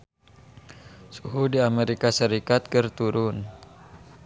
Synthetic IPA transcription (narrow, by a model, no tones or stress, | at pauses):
suɦudiameɾikasəɾikat̪̚kərt̪uɾʊn